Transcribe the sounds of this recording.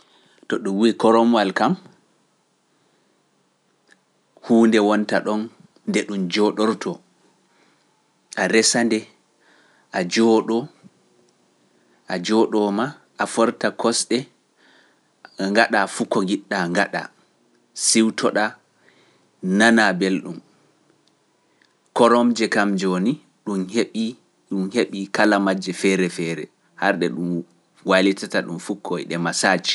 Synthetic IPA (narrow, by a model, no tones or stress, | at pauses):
tɔɗumwikɔɾɔmwalkam | huːndɛwɔntaɗɔnː | dɛɗumd͡ʒɔɗɔɾtʰɔ | ʔaɾɛsandɛ | ʔad͡ʒɔːɗɔ | ʔad͡ʒɔɗɔma | ʔafɔɾtakʰɔsɗɛ | ŋɡaɗafukːɔŋɡiɗːaŋɡaɗa̰ | siwtʰɔɗa | nanabelɗum | kɔɾɔmd͡ʒɛkamd͡ʒoni | ɗumheɓi | ɗumheɓikalamad͡ʒɛfɛɾɛfɛːɾɛ | haɾɗɛɗum | walitataɗumfukʰːɔjɗɛmasaːt͡ʃi̥